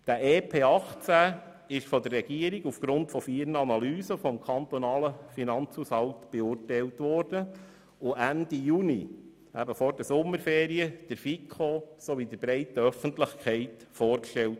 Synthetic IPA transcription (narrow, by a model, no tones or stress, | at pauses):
d̥əʔeːpʰeːɑχt͡sæ | ɪʃfɔdərːɛɡ̥iəɾiɡufɡ̥ɾʊntfɔfiːɾnəɑnɑlyːzəfɔmkʰɑnt̪ɔnɑːləfinɑnt͡shushɑltb̥ɛʊrtɛɪltʋɔːrd̥ə | ʊʔændijuni | æbəfɔɾdəsʊmːəɾfeːɾiəd̥əɾfikʰosoʋid̪əbɾɛɪtəœfəntlɪχkʰχɛɪt | fɔːrkʃtɛlt